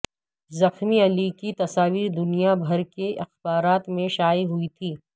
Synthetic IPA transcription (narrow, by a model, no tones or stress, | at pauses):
zɐxmiɐlikit̪ɐsaːʋiːɾd̪ʊnijabʱɐɾkeʔɪxbaːɾaːt̪mẽʃaːiɦʊit̪ʰiː